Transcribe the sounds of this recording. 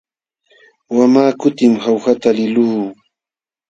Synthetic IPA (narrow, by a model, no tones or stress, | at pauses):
wamaːkʊt̪ɪmhawhat̪alɪluː